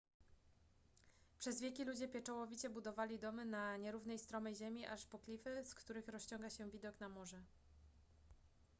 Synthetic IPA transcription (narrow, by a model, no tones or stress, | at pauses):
pʂɛzvʲɛkʲilud͡ʑɛpʲjɛt͡ʂɔwɔvʲit͡ɕɛbud̪ɔvalʲid̪ɔmɘnaɲɛɾuvnɛjst̪ɾɔmɛjʑɛmʲiʔaʂpɔklʲifɘskt̪uɾɘxɾɔɕt͡ɕɔŋɡaɕɛvʲid̪ɔkn̪amɔʐɛ